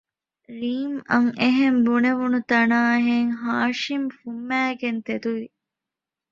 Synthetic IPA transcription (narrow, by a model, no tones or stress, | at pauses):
ɾiːmɐ̰ŋeɦembuneʋunut̪ɐnaːɦeŋɦaːʃimfumːæːɡent̪ed̪uʋi